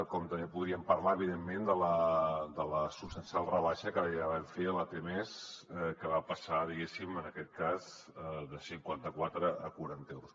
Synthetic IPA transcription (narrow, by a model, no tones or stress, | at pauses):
kɔmt̪əmbepuðɾiəmpəɾlaəβiðemːend̪ələd̪ələsupst̪ənsjalˠrəβaʃəkəaβaɱfeəlat̪emeskəβapəsaðiɣesimənəkɛt̪̚kaz | əðəsiŋkwant̪əkwat̪ɾəːkuɾant̪ɛwɾus